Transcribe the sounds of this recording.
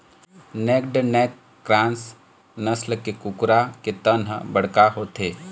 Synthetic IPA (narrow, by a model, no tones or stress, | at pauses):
nɛːk̚ɖnɛːkː | ɾãːns | nəslkekʊkɾaket̪ənɦə̰bəɽ̤kaɦoːt̪ʰeː